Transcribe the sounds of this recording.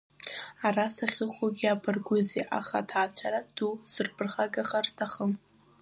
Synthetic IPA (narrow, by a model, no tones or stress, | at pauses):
arasaχʲɪχoɡʲiapʰʼɨrɡʷʊzeʔa̰χa̰tʰaːt͡ɕʷʰaɾad̥uz̥ɨrpʰɨrχaɡaχartʰaχəm